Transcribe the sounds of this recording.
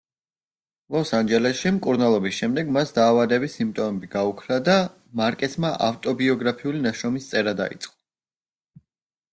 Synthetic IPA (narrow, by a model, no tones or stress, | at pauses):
lˠɔsand͡ʒɛlɛʃimkʼuɾnalˠɔbisʃɛmd̪ɛɡmasd̪aːvad̪ɛbisimpt̪ʼɔmɛbiɡaukʰɾad̪a | maɾkʼɛsmaʔa̰ft̪ʼɔbiɔɡɾapʰiulinaʃɾɔmist̪sʼɛɾad̪a̰ḭt̪sʼqʼɔ̥